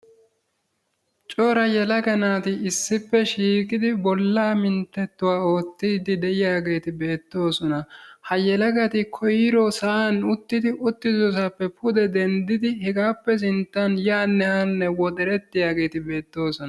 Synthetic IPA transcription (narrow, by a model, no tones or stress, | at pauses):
t͡ʃʼoːɾɐjɛlɐɡɐnaːt̪ɪɪsːɪpːɛʃiːkʼɪd̪ɪbɔlːaːmɪnt̪ːɛt̪ːʊwaːo̞ːt̪ːiːd̪ɪd̪ɛʔɪjaːɡe̞ːt̪ɪbe̞ːt̪ːo̞ːsɔnɐhɐjɛlɐɡɐt̪ɪkʰɔjɪɾɔsɐʔanʊt̪ːɪd̪ɪʔʊt̪ːɪzɔs̬apːɛpʰʊd̪ɛd̪ɛnd̪ɪd̪ɪhɛɡaːpːɛs̬ɪnt̪ːɐnjaːnːɛhɐnːɛwɔd̪ɛɾɛt̪ːɪjaːɡe̞ːt̪ɪbe̞ːt̪ːo̞ːsɔnɐ